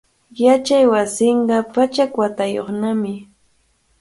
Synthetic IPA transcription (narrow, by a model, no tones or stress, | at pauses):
jat͡ʃajwasɪɴɢɑpat͡ʃakwat̪ajo̰χnamɪ